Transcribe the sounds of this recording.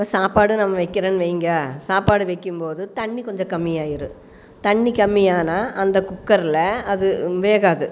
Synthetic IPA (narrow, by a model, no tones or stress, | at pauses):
ɐsaːpaːɽɯnɐmːɐʋɐɪkːɪɾeːnɯʋɐɪŋɡɐsaːpaːɽɯʋɐɪkːɯmpoːðɯt̪ɐɳːikɔɲd͡ʒɐ̃kɐmːɪjaːjɪɾɯ̰ | t̪ɐɳːikɐmːɪjaːnaːʔɐnd̪ɐkʊkːɐɾɪlɐɐðɯʋeːɣaːðɯ